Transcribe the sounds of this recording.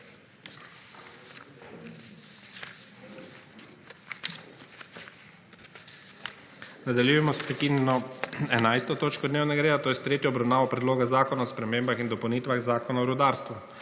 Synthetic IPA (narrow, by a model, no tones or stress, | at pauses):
nad̪aljujɛmɔspɾɛkinjɛnɔɛnajst̪ɔt̪oːt͡ʃkɔd̪neːwnɛɡaɾeːd̪at̪oːjɛst̪ɾeːt̪jɔːbɾawnaːʋɔpɾɛd̪loːɡazaːkɔnaɔspɾɛmeːmbaxind̪ɔpɐwniːt̪ʋaɣzaːkɔnaɔɾud̪aːɾst̪ʋu